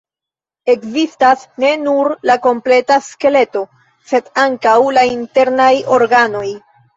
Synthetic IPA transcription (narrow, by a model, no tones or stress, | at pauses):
e̞kzistasne̞nuɾlako̞mple̞taske̞le̞to̞ | se̞daŋkawlainte̞ɾnajo̞ɾɡano̞j